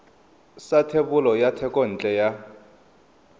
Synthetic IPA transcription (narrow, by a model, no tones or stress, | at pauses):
satʰeɓulɔjatʰɛkʼɔn̩t͡ɬʼɛja